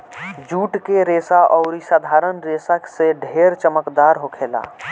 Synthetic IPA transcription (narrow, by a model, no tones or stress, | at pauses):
d͡ʒuːʈkeɾeːsaʔɔːɾisaːd̪ʱaːɾənɾeːsakseɖʱeːɾt͡ʃəməkd̪aːɾɦokʰeːla̰ː